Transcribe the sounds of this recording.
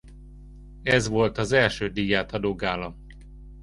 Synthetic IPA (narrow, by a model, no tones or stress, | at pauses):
ɛzʋo̞lt̪ɒzɛlʃøːd̪iːjaːt̪ɒd̪oːɡaːlɒm